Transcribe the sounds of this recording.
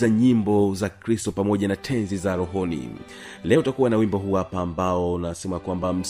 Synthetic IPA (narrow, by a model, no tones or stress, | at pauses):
aɲimbɔzakɾistɔpamɔʄanatʰɛnzizaɾɔɦɔnḭ | lɛɔutakuwanawimbɔɦuwapaːmbaɔnasɛmakwambam̩s